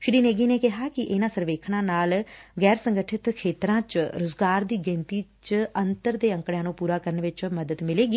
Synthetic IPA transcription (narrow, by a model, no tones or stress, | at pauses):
ʃɪɾiːneːɡiːneːkɪɦaːkɪʔɪnãːsəɾʋeːkʰɽ̃ãːnaːlɡɛːɾsəŋɡəʈʰɪt̪kʰeːt̪ɾãːt͡ʃɾʊzɡaːɾd̪iːɡẽːnt̪iːt͡ʃənt̪əɾd̪eːə̃ŋkɽjãːnũːpuːɾaːkəɾənʋɪt͡ʃməd̪əd̪mɪleːɡiː